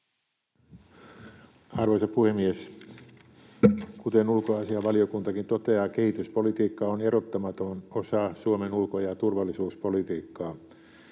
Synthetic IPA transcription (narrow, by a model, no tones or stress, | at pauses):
ɑrʋoisɑpuhemːies | kut̪enulkoɑsiɑʋɑliokunt̪ɑkint̪ot̪eɑːkehit̪yspolit̪iːkːɑonerot̪ːɑmɑt̪onosɑːsuomenulkojɑt̪urʋɑlːisuːspolit̪iːkːɑː